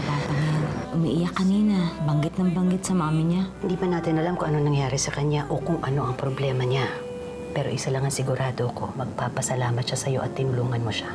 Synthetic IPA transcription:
sɐbaːt̪ɐŋjɐnʔʊmḭʔɪjɐkːɐniːnɐbɐŋɡɪt̪nɐŋbɐŋɡɪt̪̚sɐmaːmɪɲahɪnd̪iːpɐnaːt̪ɪnʔɐlamkoŋʔɐno̞nɐŋjaːɾɛsɐkɐɲaʔo̞kʊŋʔɐno̞ʔɐŋpɾoblɛːmɐɲa | pɛːɾo̞ʔɪsɐlɐŋɐŋsɪɡʊɾʔaːd̪oɐko̞mɐɡ̚paːpɐsɐlaːmɐt̪ʃasɐjo̞̰ʔɐt̪ːɪnʊluːŋɐnmoʃḁ

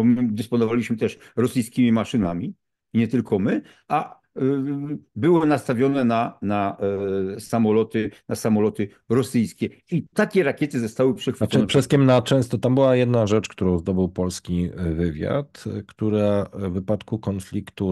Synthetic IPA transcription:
md̪ɨspɔnɔvalʲiɕmɘt̪ɛʂɾɔsɘjskʲimʲimaʂɘnamʲi | ɲɛt̪ɘlkɔmɘ | ʔa | bɘwɪnast̪avʲjɔnɛnana | samɔlɔt̪ɘnasamɔlɔt̪ɘ | ɾɔsɘjskʲɛit̪akʲɛɾakʲɛt̪ɘzɔst̪awɘpʂɛxfɛɛpʂɛskʲɛmnat͡ʂɛ̃w̃st̪ɔt̪ambɘwajɛd̪naʐɛt͡ʂkt̪uɾɔ̃w̃zd̪ɔbɘwpɔlskʲivɘvʲja̰t̪kt̪uɾavɘpat̪kukɔnflʲikt̪u

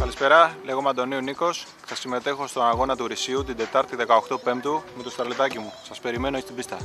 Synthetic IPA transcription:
kɐlispe̞ɾɐle̞ɣo̞mɐnd̪o̞niuniko̞s | θɐsime̞t̪e̞xo̞st̪o̞nɐɣo̞nɐt̪uɾisiut̪id̪e̞t̪ɐɾt̪iðe̞kɐoxt̪ope̞mpt̪umet̪ost̪ɾɐlet̪ɐcimusɐspe̞ɾime̞noest̪ibist̪ɐ

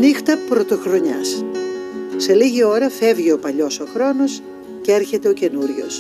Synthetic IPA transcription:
nixt̪ɐpɾo̞t̪o̞xɾo̞ɲɐs | se̞liʝio̞ɾɐfe̞vʝio̞pɐʎo̞so̞xɾo̞no̞s | ceɾçe̞t̪e̞o̞ce̞nuɾʝo̞̰s

